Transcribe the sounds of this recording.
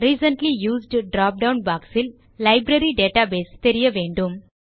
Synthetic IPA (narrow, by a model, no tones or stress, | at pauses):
ɾiːsɐ̃ɳʈlijuːzɖɖɾaːp̚ɖãwnbaːksil | lɐjbɾɐɾiɖeːʈabeːst̪eɾijɐʋẽːɳɖum